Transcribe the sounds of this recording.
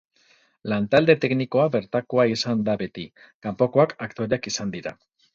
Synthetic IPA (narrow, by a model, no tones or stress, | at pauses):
lant̪ald̪e̞t̪e̞kniko̞aβe̞ɾt̪ako̞aisand̪abe̞t̪i | kampo̞ko̞akakt̪o̞ɾeakisand̪iɾa̰